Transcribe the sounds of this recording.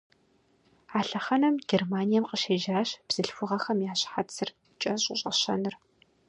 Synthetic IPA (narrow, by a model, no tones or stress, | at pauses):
aːɬɐχɐnɐmɡ̥ʲermaːnijɛmqəʃeːʒaːɕb̥z̥ɨɬfʷʊʁɐxɐmjaːɕħat͡sʰɨr | t͡ʃʼɐɕʼɪɕʼɐ̰ɕɐ̰nɨr